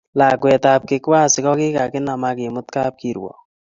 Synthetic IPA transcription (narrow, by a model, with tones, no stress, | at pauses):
la˨kwɛ˨t̪a˨p̚kɪ˨kwaː˦sɪ˨kɔ˦kɪ˦ka˨kɪ˦na˨ma˧kɪ˨mʊ˦t̪ka˦p̚ki˨ɾwɔ̰˨